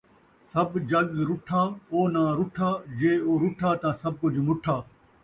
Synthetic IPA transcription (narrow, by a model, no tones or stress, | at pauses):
sɐbd͡ʒɐɡɾʊʈʰaːoːnãːɾʊʈʰaːd͡ʒeːoːɾʊʈʰaːt̪ãːsɐb̚kʊd͡ʒmʊʈʰaː